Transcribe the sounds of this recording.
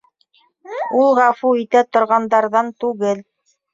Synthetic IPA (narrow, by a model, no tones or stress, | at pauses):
ulˠʁɑfuit̪æt̪ŏɾʁɑnd̪ɑɾðɑnt̪ʉɡɘl